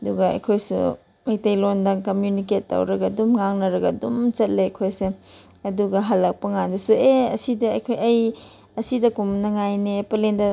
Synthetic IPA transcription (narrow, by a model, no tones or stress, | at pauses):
ɐduɡɐɐ̰jkʰojsṵ | mɐjtɐjlondɐŋkɐmjuniketːa̰wɾɐɡɐdumŋaŋnɐɾɐɡɐdumt͡ʃɐt̚leɐjkʰojse | ɐduɡɐɦalːɐk̚pɐŋandɐsueɐ̰sidɐɐjkʰojɐj | ɐsidɐkumnɐŋajnepɐlendɐ